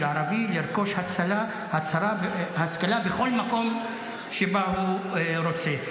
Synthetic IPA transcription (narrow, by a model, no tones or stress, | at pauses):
aaɾaviliɾko̞ʃhat͡sala | hat͡saɾahaskalabeχo̞lmako̞m | ʃebahuɾo̞t͡se